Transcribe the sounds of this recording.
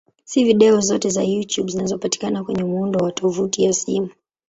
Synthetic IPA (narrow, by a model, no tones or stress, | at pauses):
siviɗɛɔzɔtɛzajutjuɓzinazɔpati̥kanakwɛɲɛmundɔwatʰɔvutijasimu